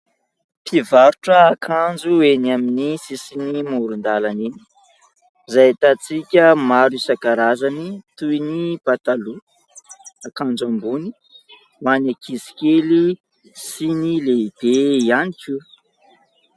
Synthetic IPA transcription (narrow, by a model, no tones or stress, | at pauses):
pʰivaɾuʈ͡ʂəːkʰand͡zuenaminisisinimuɾund̪alanini̥ | zajat̪at͡sikʲəmaɾusakaɾazanit̪ujnib̥at̪alu | akand͡zambuni | manakʰizi̥kʲeli | sinileib̥eianikʲu